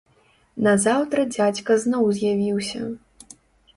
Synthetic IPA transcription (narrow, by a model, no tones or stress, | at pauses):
nɐzawt̪ɾɐd͡zʲat͡sʲkɐznɔwzʲjavʲiwsʲɐ̰